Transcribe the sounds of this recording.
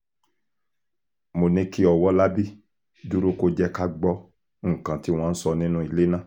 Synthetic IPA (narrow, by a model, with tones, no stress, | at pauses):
mo˨nĩ˧ki˦ɔ˨wɔ˦la˦bi˦ | du˦ɾo˦ko˧d͡ʒɛ˧ka˦ɡ͡bɔ˧ | ŋ̩˨kã˨ti˨˦w̃ɔ̃˦˧n̩˦sɔ˧nĩ˦nũ˦i˨le˦nã˦˨